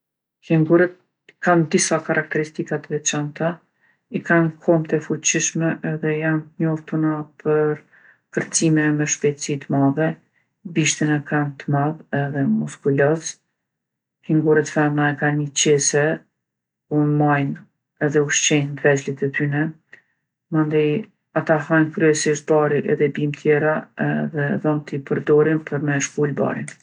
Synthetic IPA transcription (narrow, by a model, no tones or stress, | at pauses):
kɛŋɡuɾət̪̚ | ikand̪isakaɾak̚t̪ɛɾist̪ikat̪vɛt͡ʃant̪a | ikankʰɔmt̪ɛfut͡ɕiʃmɛʔɛðɛijant̪əɲɔft̪unapʰəɾ | kəɾt͡simɛmɛʃpɛt̪sit̪əmavɛ | biʃt̪inɛkant̪əmaðɛðɛmuskulɔs | hiŋɡuɾɛt̪fɛnaɛkanit͡ɕɛsɛ | umajn | ɛðɛuʃt͡ʃɛnvɛt͡slit̪ət̪ynɛ | mand̪aj | at̪aɦankɾyɛsiʃt̪̚baɾiʔɛðɛbimt̪ʰjɛɾaɛðɛðɔnt̪ipəɾd̪ɔɾinpəɾmɛʃkulba̰ɾin